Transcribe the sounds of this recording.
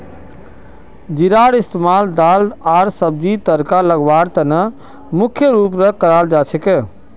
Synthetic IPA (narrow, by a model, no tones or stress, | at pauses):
d͡ʒiɾaːɽɪst̪emaːld̪aːlaːɾsəb̚d͡ʒit̪əɾkaləɡʋaːɽt̪ənə | mʊkʰjəɾuːp̬ɾəkəɾaːld͡ʒaːt͡ʃʰeke